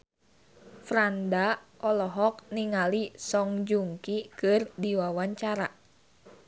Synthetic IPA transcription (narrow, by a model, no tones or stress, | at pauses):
fɾandaɔlɔɦɔk̚niŋalisɔŋd͡ʒuŋkikɨrdiwawaɲt͡ʃaɾa